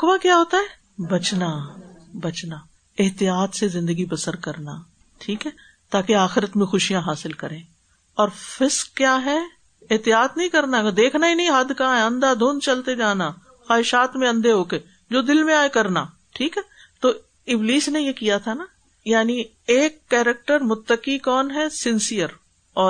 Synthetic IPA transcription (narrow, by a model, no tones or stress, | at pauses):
kʊʋakjaːɦoːt̪aɦɛː | bɐt͡ʃnabɐt͡ʃna | ɪɦt̪ijaːt̪sezɪ̃nd̪əɡibɐsəɾkɐɾnaː | ʈʰiːkɦɛː | t̪aːkeaːxɪɾət̪mẽxʊʃijãɦaːsɪlkɐɾẽː | ɔːɾfɪskːjaːɦɛ | ɪɦt̪ijaːt̪nɐɦĩkɐɾnad̪eːkʰnaɦinɐɦĩɦɐd̪ʱkaɦɛɐ̃nd̪ad̪ʱoːnt͡ʃɐlt̪ed͡ʒaːna | xaːɦɪʃaːt̪mẽɐ̃nd̪eɦoːke | d͡ʒoːd̪ɪlmẽaːekɐɾna | ʈʰiːkɦɛː | t̪oː | ɪbliːsnẽjekijat̪ʰana | jaːni | eːkːɛːɾɛk̚ʈəɾmʊt̪ːəkikɔːnɦɛsɪ̃nsijəɾ | ɔː